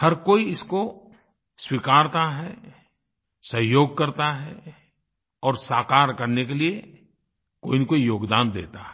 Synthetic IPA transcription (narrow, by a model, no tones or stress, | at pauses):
hɐɾkoːiɪsko | swikaːɾt̪aɦɛ | sɐɦjoːɡ̚kɐɾt̪aɦɛ | ɔːɾsaːkaːɾkɐɾnekelie | koːinikoːijoːɡd̪aːnd̪ḛːt̪aɦɛ